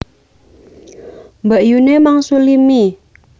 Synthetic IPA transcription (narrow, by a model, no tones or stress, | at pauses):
mbəʔjunemaŋsulimi